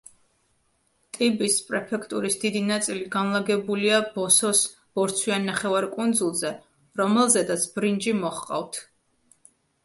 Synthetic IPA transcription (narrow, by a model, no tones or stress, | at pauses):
t̪ʼibispʼɾɛpʰɛkʰt̪ʼuɾisd̪id̪inat̪sʼiliɡanlˠaɡɛbuliab̥ɔsɔs | b̥ɔɾt̪sʰwianːaχɛvaɾkʼund̪zulˠzɛ | ɾɔmɛlˠzɛd̪at̪sʰbɾind͡ʒimɔχqʼa̰vt̪ʰ